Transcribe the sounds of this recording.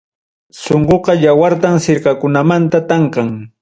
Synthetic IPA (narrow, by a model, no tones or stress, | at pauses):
soɴqoqɑjawaɾt̪amsɪɾkakʊnamant̪at̪ɑɴqɑŋ